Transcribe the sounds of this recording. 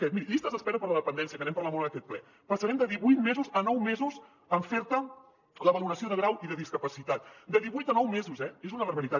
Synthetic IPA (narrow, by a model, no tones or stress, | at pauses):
kɛt̪miɾiʎist̪əzəspɛɾupəɾləðəpənd̪ɛns̬iəkənɛmpəɾləmonəkɛt̪̚plɛ̰ | pəsəɾɛmd̪əðiβujt̪mezuzənɔwmezuz | əɱfɛɾt̪ə | ləβəluɾəsioðəɣ̞ɾawʔiðəðiskəpəsit̪at̪d̪əðiβujt̪ənɔwmezuzɛezunəβəɾβəɾit̪a